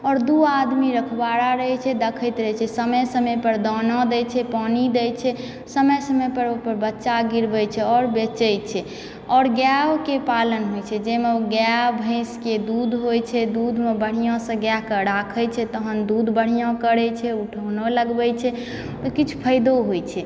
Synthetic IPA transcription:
ɔːɾd̪uad̪miɾəkʰbaɾaɾəɦɛt͡ʃʰɛd̪əkʰəjt̪ɾəɦɛt͡ʃʰɛsəməjsəmɛpəɾd̪ɔnɔ̃d̪ɛjt͡ʃʰɛpɔnid̪ɛjt͡ʃʰɛ | səməjsəməpəɾopəɾbətːʃaɡiɾbəjt͡ʃʰɛɔːɾbet͡ʃəjt͡ʃʰɛ | ɔːɾɡjawkepalənɦojt͡ʃʰɛd͡ʒemeoɡjabʱə̃ɪ̃sked̪ud̪ʱɦojt͡ʃʰɛd̪ud̪ʱmebəɽ̤ijɔ̃sə̃ɡjakəɾakʰəjt͡ʃʰɛt̪əɦənd̪ud̪ʱbəɽ̤ijãkəɾɛt͡ʃʰɛuʈʰonɔləɡbɛt͡ʃʰɛ | t̪ɔkit͡ʃʰu̥pʰəɪd̪oɦot͡ʃʰɛ

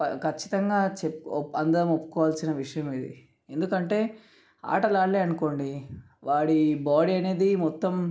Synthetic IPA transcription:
ɐkʰɐt͡ʃːi̥t̪ɐŋɡaːt͡ʃepɐnd̪ɐɾɐmopːu̥kɔːʋaːlsinɐʋiʂɐjɐmeːd̪ḭ | e̞nd̪ukɐɳʈe̞ː | a̰ːʈɐlaːɭleːɐnuko̞ːɳɖi | ʋaːɽibaːɽiɐne̞ːd̪imɔt̪ːɐm

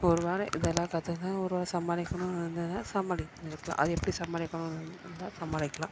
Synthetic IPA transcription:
ɔɾɯʋaːɾɛʔɪðɛlːãːkaːt̪ːɯɯnaːɔɾɯʋaːɾsɐmːaːlɪkːɐɳʊ̃ːnɪɾɯnd̪ɯnːaːsɐmaːlɪknɪɾɯkːɐlã̰ːʔɐðɯɛpːɐɽisɐmːaːlɪkːɐɳʊ̃nnd̪aːsɐmaːlɪkːɐlã̰ː

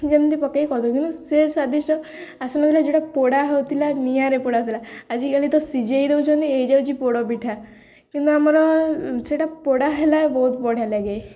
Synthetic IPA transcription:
d͡ʑent̪ipəkːaikɔɾt̪ɔkint̪usesad̪iʂʈɔ | asunat̪ilad͡ʑeʈapoɽaɦewt̪ilanijaɾepɔɽat̪ilaad͡ʑikalit̪ɔsid͡ʑeid̪ewt͡ɕʰɔnt̪iejd͡ʑewd͡ʑipoɽɔbiʈʰa | kint̪uamalɔseʈapoɽaɦelabɔɦut̪pɔɽ̤jaljaɡej

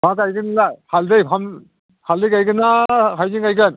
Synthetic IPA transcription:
makajɡɯnlahaldɯjpʰam | haldɯjkajɡɯnakʰajzɯnkajɡɯn

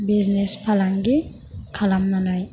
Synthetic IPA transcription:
biznespʰalaŋɡi | kʰalamnanaj

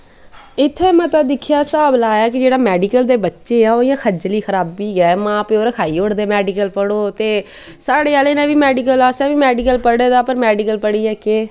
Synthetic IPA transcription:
ɪt̪ʰːeːmɛ̃ːt̪ːd̪ɪkʰjaːsaːblaːjaːkɪd͡ʒeːɽaːmɛːɖiːkəld̪eːbətːʃẽːãːoːɪjãːxʰəd͡ʒliːxʰəɾaːbːiːɡɛːmãːpeoːɾkʰaːiːoɽd̪eːmɛːɖiːkəlpəɽoːt̪eː | saːɽeːaːleːnɛ̃ːʋiːmɛːɖiːk̬əlaːsɛ̃ːʋiːmɛːɖiːkəlpəɽeːd̪aːpəɾmɛːɖikəlpəɽiːɛːkeː

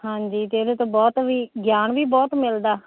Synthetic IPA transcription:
ɦãːɲd͡ʒiːt̪eed̪eːt̪õːbɔːt̪ʋiːɡjaːnʋiːbɔːt̪mɪld̪aː

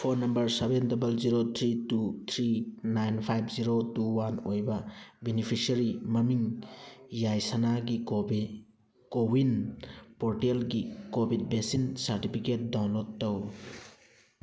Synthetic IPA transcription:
pʰoɾnɐmbɐɾsebendɐbɐlziɾot̪ʰɾitut̪ʰɾinajnpʰajbʰziɾotuwanojbɐbenipʰisɐɾimɐmiŋ | jajsanaɡi | kowinpoɾtelɡikobʱid̚besinsɐɾtipʰiket̚dawnloɡ̚tow

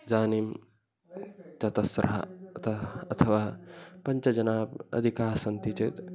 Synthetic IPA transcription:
d͡zaːnim | t͡ʃɐt̪ɐsɾɐ̰ɦɐ̰t̪ʰɐɐt̪ʰɐʋaːpɐɲt͡ʃɐd͡ʒɐnaːbɐ̰d̪ʱikaːsɐnt̪it͡ʃeːt̪

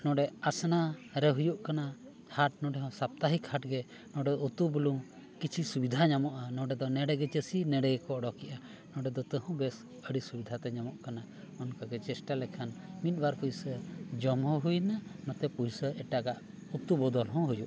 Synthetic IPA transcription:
nɔ̃ɖɛasnaɾɛɦujuʔkana | haʈ̚nɔɖɛɦɔ̃sap̚t̪aɦikʰhaʈɡɛ | nɔ̃ɖɛd̪ɔut̪ubuluŋ | kit͡ʃʰisubid̪ʱaɲamɔʔanɔ̃ɖɛd̪ɔnɛɖɛɡɛt͡ʃəsinɛɖɛɡɛkɔɔɖɔkiʔa | nɔ̃ɖɛd̪ɔt̪əɦɔ̃bɛs | əɽisubid̪ʱat̪ɛɲamɔʔkana | ɔnkaɡɛt͡ʃɛsʈalɛkʰanmit̪̚ˀbaɾpujsəd͡ʒɔmɦɔ̃ɦujnanɔt̪ɛpujsəʔɛʈaɡaʔ | ut̪ubɔd̪ɔlɦɔ̃ɦujuʔ

